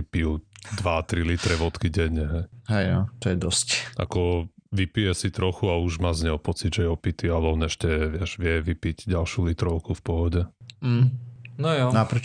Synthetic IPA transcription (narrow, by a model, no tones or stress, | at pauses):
ipiud̪ʋat̪ɾilit̪ɾɛʋɔt̪kiɟɛɲːɛɦɛjɦɛjjɔt̪ɔjɛd̪ɔsca̰kɔʋipijɛsit̪ɾɔxuauʒmaːzɲɛɔpɔt͡sidʒɛjɛɔpit̪ialɛɔnɛʃcɛʋɪɛʒʋɪɛʋipiɟɟalʃjulit̪ɾɔʊkufpɔɦɔɟɛm̩nɔjɔnapɾɛ